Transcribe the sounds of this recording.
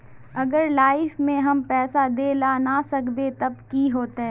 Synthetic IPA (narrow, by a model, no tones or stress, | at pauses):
ɐɡəɾlaːɪfmẽɦɐmpɛːsad̪eːlanasɐkbet̪ɐb̚kiɦoːt̪aɦɛː